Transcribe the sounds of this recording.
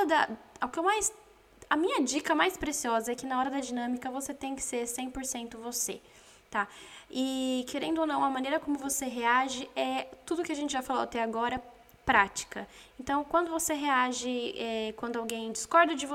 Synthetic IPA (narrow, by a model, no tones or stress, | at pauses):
d̪ɐʊkɪewmajs | ɐmĩɲɐd͡ʒikɐmajspɾesiɔzɐɛkɪnɐɔɾɐd̪ɐd͡ʒinɐ̃mikɐvoset̪ẽj̃kɪ̥seɾsẽj̃poɾsẽnt̪ʊvosḛ | t̪aɪkʰeɾẽnd̪onɐ̃w̃ɐmɐ̃nejɾɐkõmʊvoseɦeaʒɪɛt̪ud̪ʊkɪɐaʒẽnt͡ʃɪʒafaloat̪ɛaɡɔɾɐ | pɾat͡ʃi̥kɐ | ẽnt̪ɐ̃w̃kwɐ̃nd̪ʊvoseɦeaʒɪɛkwɐ̃nd̪ʊawɡẽj̃d͡ʒɪskɔɾd̪ɐd͡ʒɪvo